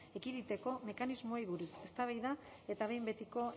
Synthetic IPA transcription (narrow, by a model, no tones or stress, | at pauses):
e̞kiðit̪e̞ko̞me̞kanizmo̞eijβ̞uɾuse̞st̪aβ̞ajða | et̪aβe̞jmbe̞t̪iko̞